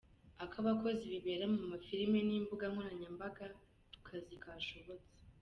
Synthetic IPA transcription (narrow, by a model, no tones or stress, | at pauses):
akaβako̞ziβiβeɾamumafiɾimeniːmbuɡaŋ̥oɾaɲambaɡa | tu̥kʰazikaʃo̞βo̞t͡se̥